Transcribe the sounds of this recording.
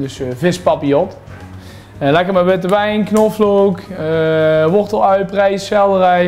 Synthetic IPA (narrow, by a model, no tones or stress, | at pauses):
døsvɪspɑpiɔt | lɛkəmɛʋɪtəʋɛjnknɔflowkəʋɔrtəlˠœɥprɛjsxɛlˠdərɛj